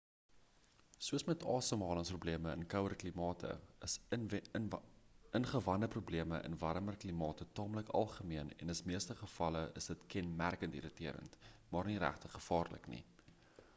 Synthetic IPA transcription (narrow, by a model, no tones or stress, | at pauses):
suəsmɛtɑːsəmɑːləŋsprubliəməənkœwərklimɑːtʰə̰əs | ənχəvɐndəprubliəməʔə̰nvɐɾəmərklimɑːtətɑːmləkɐ̰lˠχəmiənɛ̰nəsmiəstəχəfɐləʔəsdətkɛnmærkəntḭɾətiəɾə̰ntmɑːrniɾæ̰χtəχəfɑːrlə̰knḭ